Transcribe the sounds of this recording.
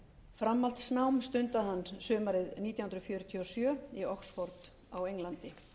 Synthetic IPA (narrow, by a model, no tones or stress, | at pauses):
fɾamːalt̪snawmst̪ʏnt̪aðhanːsœːmaɾɪðniːt̪jahʏnɾʏfjœːɾʏt̪ʰiɔsjœːiɔksfɔɾt̪ | awejŋlant̪ɪ